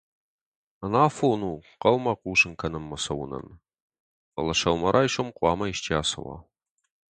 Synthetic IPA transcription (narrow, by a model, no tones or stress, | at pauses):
ɐnaːfonuːqɐwmaqʷʼuːʒɨŋkʰɐnɨmːɐsɐwʊnɐ̰n | ɐ̰lɐʃɐwmɐɾʔaiʃʷomqʷʼɑːmɐiʃtʰiaːsɐ̰wa̰